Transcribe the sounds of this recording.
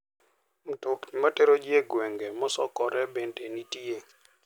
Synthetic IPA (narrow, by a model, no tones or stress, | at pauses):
m̩tokɲmateɾod͡ʒjeɡwɛŋɡemɔsɔkɔɾɛbendenitie